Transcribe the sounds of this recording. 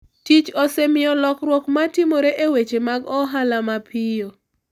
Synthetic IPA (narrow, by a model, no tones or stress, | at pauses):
tit͡ʃosɛmɪjɔlɔkɾwɔkmatɪmoɾeʔewet͡ʃemaɡɔɦalamapʰɪjo